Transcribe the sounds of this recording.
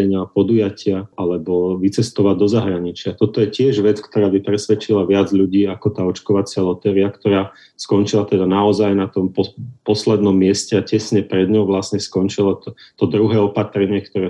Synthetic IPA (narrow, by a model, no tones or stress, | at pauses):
ɛɲɪapɔd̪ujacɪaalɛbɔʋit͡sɛst̪ɔʋad̪ɔzaɦɾaɲit͡ʃɪat̪ɔt̪ɔjɛcɪɛʒʋɛt͡skt̪ɔɾaːbipɾɛsʋɛt͡ʃilaʋɪad͡zʎuɟiːakɔt̪aːɔt͡ʃkɔʋat͡sɪalɔt̪ɛːɾiakt̪ɔɾaː | skɔnt͡ʃilat̪ɛd̪anaɔzajnat̪ɔmpɔpɔslɛd̪nɔmːɪɛscɛacɛsɲɛpɾɛd̪ɲɔʊʋlasɲɛskɔnt͡ʃilɔt̪ɔd̪ɾuɦɛːɔpat̪ɾɛɲɪɛkt̪ɔɾɛː